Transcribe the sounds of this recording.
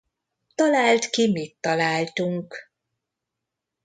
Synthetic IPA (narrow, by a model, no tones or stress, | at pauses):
t̪ɒlaːlt̪kimit̪ːɒlaːlt̪uŋk